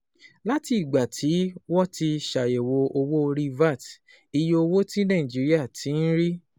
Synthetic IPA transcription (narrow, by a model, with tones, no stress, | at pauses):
la˦tiː˧˨ɡ͡ba˨tʰi˨˦wɔ˦ti˧ʃa˨je˨wo˧o˧wo˦˧ɾi˧va˦˨t | i˧jo˧o˧wo˦tĩ˦nã˦˨ĩ˨d͡ʒi˨˦ɾi˦a˦˨tʰĩ˨˦n̩˦ɾi˦